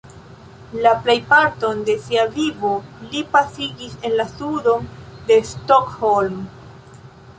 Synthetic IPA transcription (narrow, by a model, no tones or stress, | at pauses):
laple̞jpaɾto̞nde̞siavivo̞lipasiɡise̞nlasudo̞nde̞stokholm